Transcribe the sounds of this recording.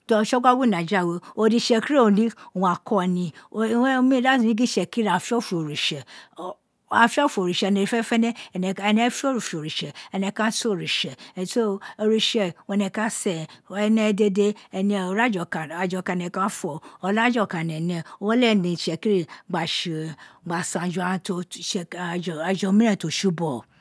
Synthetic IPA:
to˧˨ʃɔ˦ɡa˦ɡu˦nã˨d͡ʒa˦˨we˨o˧˦di˧ʃɛ˧ki˦ɾe˦o˨nĩ˦˨w̃a˨kɔ˦˧nĩ˧o˨˦mĩ˦ɾa˦˨si˨nĩ˦ɡi˦ʃɛ˨ki˦ɾa˨fɔ˦fu˨o˨ɾi˨ʃɛ˨ | a˨fi˦ɔ˦fu˨o˨ɾi˨ʃɛ˨˧nɛ̃˨i˨fɛ˦fɛ˦nɛ̃˦˨nɛ˧ɛ˧˨nɛ̃˧˦fo˦ɾu˨fo˨ɾi˨ʃɛ˨ɛ˧nɛ̃˧˨kã˦so˦˨ɾi˨ʃɛ˨so˦o˧ɾi˧ʃɛ˨wnɛ̃˧˨kã˦sɛ˨ɛ˧nɛ̃˧˦de˦de˦ɛ˧nĩ˧˨o˨ɾa˦d͡ʒɔ˨ka˨a˨d͡ʒɔ˧˨ka˧˨nɛ̃˨kã˦fɔ˨ɔ˧la˦d͡ʒɔ˦˨ka˨nɛ̃˨nɛ̃˨o˦wɔ˦lɛ˦˨nĩ˨ʃɛ˨ki˦ɾi˦˨ɡ͡ba˨ʃi˨ɡ͡ba˨sã˨d͡ʒu˨a˨˧to˧ʃɛ˧˨a˨d͡ʒɔ˧˦mĩ˦nɛ̃˦˨to˨ʃu˦bɔ˦˨

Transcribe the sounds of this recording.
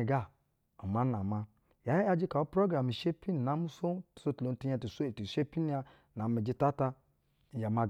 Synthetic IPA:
ɡa˦˨ | o˨ma˦na˨ma˦ | ja˨˦ja˦d͡ʒi˦ka˨o˦pɾo˦ɡa˨mi˨ʃe˦pi˦n˨na˨˦mu˦so˦tso˦˨to˨n˨ti˦a˦ti˨so˦˨ti˨ʃe˦pi˦n˦a˦ | na˨mi˨d͡ʒi˦ta˦ta˦˨ | ja˨ma˨ɡ

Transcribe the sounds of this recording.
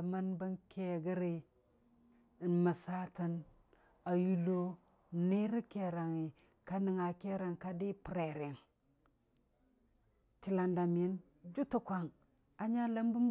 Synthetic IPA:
ma˦nbə˦nkʰe˨ɡə˦ɾi˨ | i˨nma˨sa˦tə˦n | a˨ju˦lo˦˨ | ne˦ɾi˦ke˨ɾa˨ŋi˨ | ka˦ni˨ŋa˨ke˦ɾa˨ŋka˦di˦pɾe˨ɾe˨n | ti˨la˨nda˨mi˦n | d͡ʒu˦tu˦kʷa˨ŋ | a˦ɲa˦lə˦mbu˦m

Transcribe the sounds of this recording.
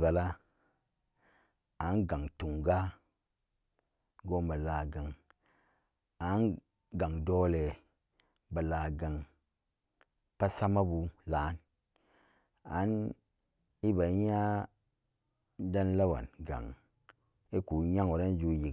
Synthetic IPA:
ba˨la˦ | a˨˦nɡa˨ŋtu˨ŋɡa˦ | ɡo˦ma˨la˨ɡa˨ŋ | a˨˦n | ɡa˨ŋdo˦le˨ | ba˨la˨ɡa˨ŋ | pa˦sa˦ma˦bu˨la˨˦n | a̰˨˦n | i˦ba˨˦ɲa˦ | da˦nla˦wa̰˨nɡa̰˨ŋ | i˦ku˨˦ɲa˦ŋo˨ɾa˦n˦d͡ʒu˦ji˨

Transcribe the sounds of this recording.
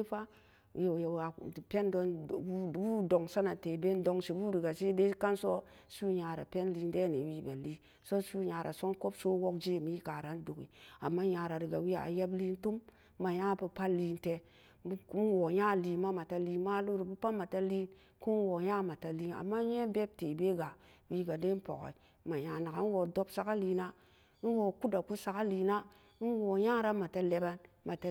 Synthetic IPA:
fa˦ | jo˨ja˨pe˦ndo˦n˨˦wu˦do˨ŋsa˦na˨te˨be˦ndo˦ŋsi˨bu˦ɾi˨ɡa˨se˦de˦ka˦nso˦su˦ɲa˨ɾa̰˨pe˦nli˦nde˦ne˨wi˦be˨li˦ | so˦su˦ɲa˨ɾʔa̰˨so˦nko˦bso˦wo˦kd͡ʒe˦˨mi˦ka˨ɾa˦ndu˨kḭ˨a˨mːa˦ja˨ɾa˨ɾi˨ɡa˨wi˦a̰˨a̰˨je˦bli˦ntu˦mː | a˨ja˦pa˨˦pa˦li˦nte˨˦ | n˦wo˨ja˦li˨ma˦ma˨ta˨li˦ma˦lu˦ɾu˨bu˦pa˦ma˨ta˦li˦n | ku˦n˦wo˨ja˦ma˨ta˨li˦na̰˨mːa˦je˦be˦b̚te˨be˦ɡa˨wi˦ɡa˨de˦n˦po̰˨ko̰˨ | ma˨ja˨na˨ka˨n˦wo˨do˦bsa˨˦ka˦li˨na˦ | n̩˦wo˨ku˦da˨ku˦sa˨ka˦li˨na˦ | n̩˦wo˨ja˦ɾa˦ma˨ta˨le˦ba˦n | ma˨ta˦

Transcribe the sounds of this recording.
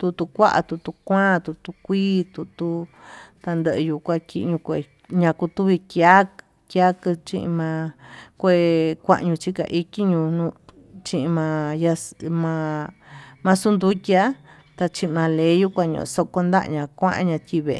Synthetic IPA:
t̪u˧t̪u˧kʷa˦ʔa̰˧t̪u˧t̪u˧kʷãː˦˨t̪u˧t̪u˧kʷiː˦t̪u˧t̪u˧t̪a˧nd̪ə˧ʔɨ˧ju˧kʷã˧ki˧ɲũ˧kʷe˧˨ | ɲã˧ku˧t̪u˦βi˧kja˦k | kja˦kɨ˧t͡ʃĩ˧ʔḭ̃˧mã˧kʷe˧kʷã̰˦˧ʔɲũ˧t͡ʃi˦ka̰˧ʔi˦ki˦ɲũ˧nũ˧ | t͡ʃĩ˧ʔĩ˧mã˧ja˧mã˧ | mã˧su˦nd̪u˦tʲa˦ | t̪a˧t͡ʃĩ˧ʔi˧mã˨˧le˨˦ju˦kʷã˧ɲõ̰˧˨˧so˧ko˧nd̪a̰˦ʔɲã˧kʷã˦ʔã̰˧ɲã˧t̪ʲi˧βḛ˧

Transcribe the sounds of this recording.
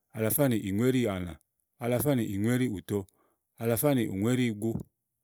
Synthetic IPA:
a˨la˨fa˦ni˨ʔi˨ŋwe˦ɾi˦˨a˨na̰˨ | a˨la˨fa˦ni˨ʔi˨ŋwe˦ɾi˦u˨tɔ˦ | a˨la˨fa˦ni˨ʔṵ˨ŋwe˦ɾi˦˨ɡu˦

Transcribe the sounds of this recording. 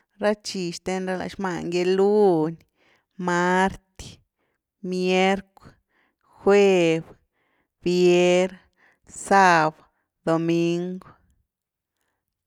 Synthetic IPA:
ɾa˦t͡ʃi˨ʃt̪e˧nɾa˧la̰˨ʃma˧˨ŋɡe˧lu˦n | ma˦ɾt̪ | mje˦ɾkʷ | xwe˦b | b̥je˦ɾ | sa˦˧b | d̪o˨mi˦ŋɡw

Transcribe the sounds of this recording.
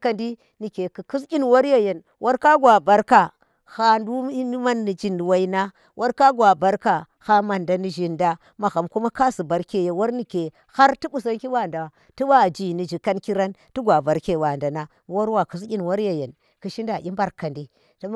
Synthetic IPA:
ka˨ndi˦ | ni˨ke˨ku˨ku˦s̬kʲi˦nwo˦ɾje˦je˨n | wʔo˦ɾka˦ɡwa˨ba˨ɾka˨ | ha˦ndu˦i˦ma˦nːi˨d͡ʒi˦˨n˨wa˦i˦na˦ | wʔo˦ɾka˦ɡwa˨ba˨ɾka˨ | ha˦ma˨nda˨ni˨ʒi˨nda˦ | ma˨xa˨mku˦ma˦ka˦si˨ba˨ɾke˨je˨wo˦ɾni˨ke˨ | ha˦ɾtu˦bu˦˨s̬a˦nki˦wa˦˨nda˨wa˨ | ti˦wa˦˨d͡ʒi˨ni˨d͡ʒi˨ka˦nki˦ɾa˦ntu˦ɡʷa˨ba˨ɾke˨wa˨nda˨na˦wo˦ɾwa˨ku˨skʲi˦n˨wo˦ɾje˨je˨n | ku˨ʃi˦nda˨ʔʲi˦mba˦ɾka˨ndi˦ | to˦

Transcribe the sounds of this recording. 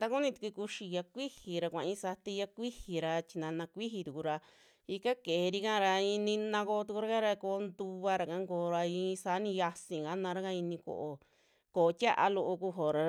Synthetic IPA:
t̪a˧ku˦nĩ˧t̪i̥˧kʷi˧ku˧ʃi˧ja˧kʷi˦hi˨ɾa˧kʷã˨ĩ˦sa˧t̪i˧ja˧kʷi˦hi˨ɾa˧t͡ʃi˧nã˧nã˧kʷi˦ɦi˧t̪u˨ku˧ɾa˧ | i˧ka˦ke˨˧ɾi˧kã˦˧ɾa˧ii˧nĩ˧nã˧ko˧t̪u˧ku˧ɾa˦ka˦ɾa˧ko˧˦nd̪u˧βa˧ɾa˨kã˧˦ŋkoː˧ɾa˧ĩ˧sa˨˦nĩ˧ja˧sĩ˨ɡa˦nã˧ɾa˦ka˦˧i˧nĩ˧ko̰˧˨ʔo˧ | ko˨˧tʲa˦ʔa̰˧lo˧ʔo˧ku˧ɦo˨ɾa˧

